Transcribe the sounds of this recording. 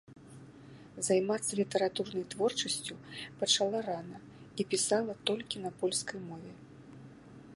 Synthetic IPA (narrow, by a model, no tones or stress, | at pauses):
zajmat̪sːɐlʲit̪ɛɾat̪urnɐjt̪vɔrt͡ʂɐsʲt͡sʲupɐt͡ʂalˠaɾanɐ | ipʲisalˠɐt̪ɔlʲkʲinɐpɔlʲskɐjmɔvʲɛ